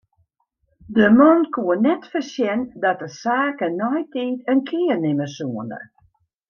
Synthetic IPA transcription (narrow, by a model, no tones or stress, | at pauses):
dəmɔnkuənɛtfərsjɛndɔtəsaːkənɔjtiːtənkʰɪərnɪməsuəndə̰